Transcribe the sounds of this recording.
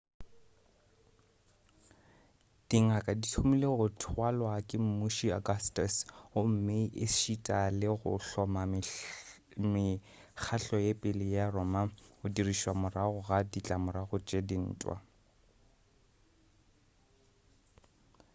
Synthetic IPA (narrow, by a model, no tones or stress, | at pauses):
d̥iŋakʼaditʰumileɣʊtʰwalwakʼɪm̩muʃiaɡastʼasʊm̩meiʔɪʃitʼalɪɣʊ̰ɬɔma | mɪ | k͡xʰaɬɔjepʼɪlɪjarɔːmaʊdiriʃwamʊraɣʊɣadit͡ɬʼamʊɾaɣʊt͡ʃʼedin̩ːtʼwa̰